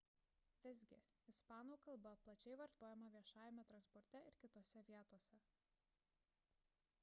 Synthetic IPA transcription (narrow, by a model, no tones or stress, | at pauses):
ʋʲɪzʲɡʲɪ | ɪspɑːnuːkɐlˠbɐplˠɐt͡ʃʲɛɪʋɐɾt̪oːjɛmɐʋʲiɛʃɑːjɛmʲɛt̪ɾɐnspɔɾʲt̪ʲɛɪɾkʲɪt̪oːsʲɛʋʲiɛt̪oːsʲɛ